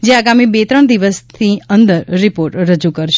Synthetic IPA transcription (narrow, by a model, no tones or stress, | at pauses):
d͡ʒeaɡamibet̪ɾəɳd̪iʋəst̪ʰiənd̪əɾːipoɾʈɾəd͡ʒukəɾʃ